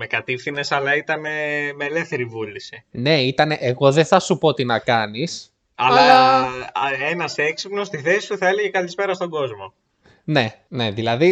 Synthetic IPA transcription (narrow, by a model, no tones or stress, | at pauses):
me̞kɐt̪ifθine̞sɐlɐit̪ɐne̞meːle̞fθe̞ɾivulisine̞it̪ɐneʔeɣo̞ðeθɐsupo̞t̪inɐkɐnis | ɐlɐ | enɐseksipno̞st̪iθe̞si̥st̪uθɐe̞leʝe̞kɐlispe̞ɾɐst̪o̞ɡo̞zmo̞ | ne̞ | ne̞ðilɐði